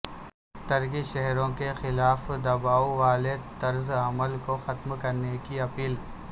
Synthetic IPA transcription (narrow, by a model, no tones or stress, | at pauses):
t̪ɐɾkiʃɛɦɾõkexɪlaːfd̪ɐbaːuʋaːlet̪ɐɾzɐməlkoxɐt̪mkɐɾnekiɐpiːl